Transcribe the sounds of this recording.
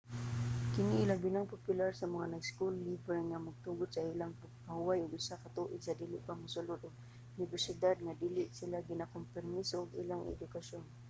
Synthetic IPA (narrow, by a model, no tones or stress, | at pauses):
kɪniilabinaŋpopjʊlarsamaŋanajskʊlːibɛrŋamaɡ̚t̪uɡʊd̪sailaŋp | mahuwajʊɡʊsakat̪uʔɪd̪̥sad̪iːlɪʔpaŋmʊsʊlʊd̪ʊɡ̚ | ʊnɪbɛrsɪd̪ad̪̚ŋad̪ilɪʔsilaɡinakʊmpɛrmisoːɡḭlaŋɛ̰d̪ʊkaʃon